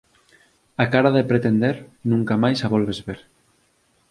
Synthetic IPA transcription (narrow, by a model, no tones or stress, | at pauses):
akaɾaðepɾet̪end̪eɾnũŋkamajsaβɔlβezβeɾ